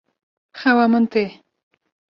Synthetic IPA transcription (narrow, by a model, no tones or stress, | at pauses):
xawamənt̪e